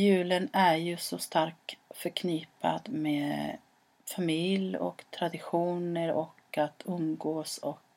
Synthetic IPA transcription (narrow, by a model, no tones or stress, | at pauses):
jʉ̟ːlənæɾjɵsɔst̪aɾk̚fœɾkʰniːpa̰d̪meːd | famɪljɔ̰kt̪ʰɾad̪ɪɧuːnəɾɔkat̪ʰɵmɡoːsɔk